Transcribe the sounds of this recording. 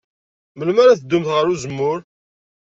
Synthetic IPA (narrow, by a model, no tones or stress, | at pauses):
məlmaɾaθəd̪ːʊmθʁəɾuzəmːʊɾ